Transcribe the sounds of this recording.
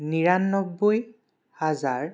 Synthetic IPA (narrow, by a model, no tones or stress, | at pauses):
niɹanːɔk̚boj | hazaɹ